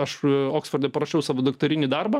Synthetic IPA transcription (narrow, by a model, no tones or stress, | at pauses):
ɐʃoːksfɐrʲd̪ʲɛpɐɾɐʃʲɛʊsɑːʋoːd̪ɐkt̪oɾʲɪnʲiːd̪ɐrbɐ